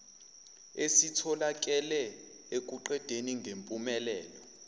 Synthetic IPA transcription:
esitʰɔlak̬ʼɛlɛ | ek̬ʼuǃɛd̥ʱeniŋɡʱempʼumɛlɛːlɔ

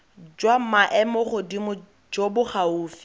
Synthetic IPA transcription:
d͡ʒwamaʔɛmʊχʊdimʊ | d͡ʒobʊχauːfi̥

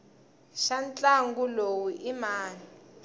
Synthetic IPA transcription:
ʃant͡ɬʼaŋɡulowiʔimaːni

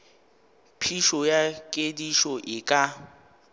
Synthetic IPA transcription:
pʰiʃɔjakʼediʃɔʔɪkʼa

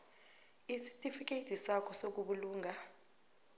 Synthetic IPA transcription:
isi̥tʼifik̬ʼetʰisakʰɔsok̬uɓuluːŋʱa

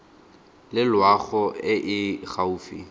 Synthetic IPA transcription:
lɪlwaɣɔɪʔɪχauːfḭ

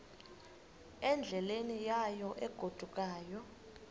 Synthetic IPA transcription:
ɛnd͡ɮʱɛlenijajɔʔɛɡ̥ʱod̥ʱukʼaːjɔ

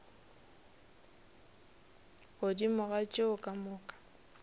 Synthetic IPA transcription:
ɣodimʊɣat͡ʃʼeʊkʼamʊːkʼḁ

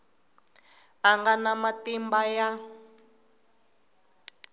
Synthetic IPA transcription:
aŋɡanamatimbaja

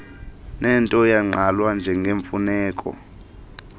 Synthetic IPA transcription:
nɛntʼɔjaŋ͡ǃalwand͡ʒʱɛŋɡʱeɱfunɛːkʼɔ̰

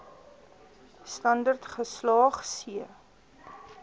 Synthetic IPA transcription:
stɐndərtχəslɑːχsiə

